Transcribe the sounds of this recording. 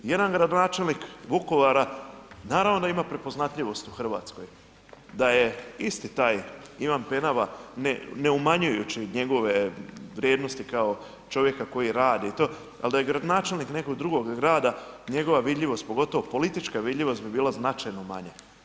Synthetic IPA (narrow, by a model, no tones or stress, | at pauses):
je̞d̪anɡɾad̪o̞naːt͡ʃe̞lnikʋuko̞ʋaɾanaːɾaʋnod̪aimapɾe̞po̞znat̪ʎʲiʋo̞st̪uxr̩ʋa̰ːt̪sko̞j | d̪aje̞ist̪it̪aːjiʋanpenaʋaneneumaɲujut͡ɕiɲe̞ɡo̞ʋe̞ʋɾʲjeːd̪no̞st̪ikao | t͡ʃo̞ʋje̞kako̞jiɾaːd̪iit̪o̞ː | a̰ld̪ajeɡɾad̪onaːt͡ʃe̞lˠnikne̞ko̞ɡd̪ɾuɡo̞ɡɡɾaːd̪aɲe̞ɡo̞ʋaʋid̪ʎʲiʋo̞st̪̚po̞ɡo̞t̪o̞ʋopo̞lit̪it͡ʃkaʋid̪ʎʲiʋo̞st̪̚bibiːlaznat͡ʃajnoma̰ɲe